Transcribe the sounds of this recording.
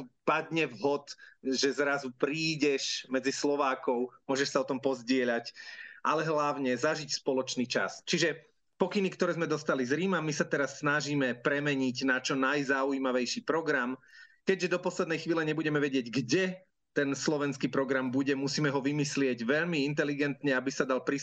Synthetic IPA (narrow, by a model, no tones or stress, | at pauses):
pad̪ɲɛvɦɔt̪ʒɛzɾazupɾiːɟɛʃmɛd͡zislɔʋaːkɔʊmʊɔʒɛʃsaɔt̪ɔmpɔzɟɪɛʎacʔalɛɦlaʊɲɛzaʒicspɔlɔt͡ʃniːt͡ʃa̰st͡ʃiʒɛ | pɔkinikt̪ɔɾɛːzmɛd̪ɔst̪alizɾiːmamisat̪ɛɾasːnaʒiːmɛpɾɛmɛɲiɟnat͡ʃɔnajzauimaʋɛjʃipɾɔɡɾamkɛɟʒɛd̪ɔpɔslɛd̪nɛjxʋiːlɛɲɛbuɟɛmɛʋɛɟɪɛɟɡɟɛ | t̪ɛnslɔʋɛnskiːpɾɔɡɾambuɟɛmusiːmɛɦɔʋimislɪɛɟʋɛʎmiint̪ɛliɡɛnt̪ɲɛabisad̪alpɾi